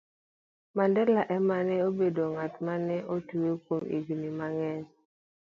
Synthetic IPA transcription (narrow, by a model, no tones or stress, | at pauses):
mandɛlaʔɛmanɛobedoŋatmanɛʔotuwekwomḭɡnimaŋɛn